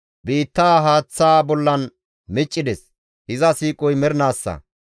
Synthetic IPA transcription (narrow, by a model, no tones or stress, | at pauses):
biːt̪ːaːɦaːt͡sːaːbɔlːɐn | mɪt͡ʃʼːɪd̪ɛs | hɪzɐsiːkʼɔjmɛɾɪnaːsːɐ̰